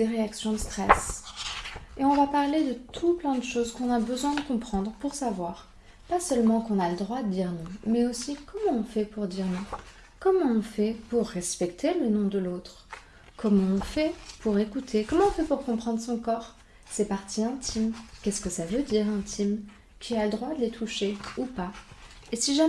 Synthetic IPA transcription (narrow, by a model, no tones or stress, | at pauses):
d̪̥eʁeaksjɔ̃d̪əst̪χɛs | eɔ̃vapaʁled̪ət̪ʰuplɛ̃d̪əʃozkɔ̃nabəzwɛ̃d̪əkɔ̃pχɑ̃d̪ʁəpuʁsavwaʁ | pasœlmɑ̃kɔ̃naləd̪ʁwad̪əd̪iʁnɔ̃mɛosikɔmɑ̃ɔ̃fɛpuʁd̪iʁnɔ̃ | kɔmɑ̃ɔ̃fɛpuʁːɛspɛkt̪ʰelənɔ̃d̪əlot̪χ | kʰɔmɑ̃ɔ̃fɛpuʁekut̪ʰekɔmɑ̃ɔ̃fɛpuʁkɔ̃pχɑ̃d̪ʁəsɔ̃kɔːʁ | sɛpaʁt̪ʰiɛ̃t̪ʰimkʲɛskəsavød̪iʁɛ̃t̪ʰim | kʲʰialəd̪ʁwad̪əlet̪ʰuʃeupaesiʒa